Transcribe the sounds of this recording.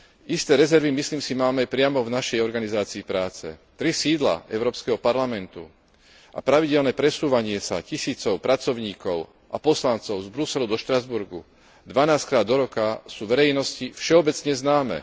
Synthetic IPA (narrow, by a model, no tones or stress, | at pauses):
ʔist̪ɛːɾɛzɛɾʋimisliːmsimaːmɛapɾɪamɔvnaʃɛjɔɾɡanizaːt͡siːpɾaːt͡sɛ̰t̪ɾisiːd̪la̰ɛ̰ʊɾɔːpskɛɦɔpaɾlamɛnt̪ṵ | a̰pɾaʋiɟɛlnɛːpɾɛsuːʋaɲɪɛsa̰cisiːt͡sɔʊpɾat͡sɔʊɲiːkɔʊ | ʔapɔslant͡sɔʊzbɾusɛlud̪ɔʃt̪ɾazbuɾɡṵ | d̪ʋanaːsckɾaːd̪ːɔɾɔkasuːʋɛɾɛjnɔscifʃɛɔbɛt͡sɲɛznaːmɛ̰